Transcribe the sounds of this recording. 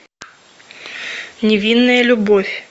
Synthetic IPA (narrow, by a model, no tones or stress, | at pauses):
nʲɪvʲinːəjəlʲʊbofʲ